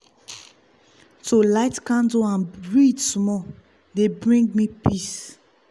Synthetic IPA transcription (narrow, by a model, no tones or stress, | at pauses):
tʰolaɪtkãndoãnɹidsmɔ | debɹĩŋɡmipʰis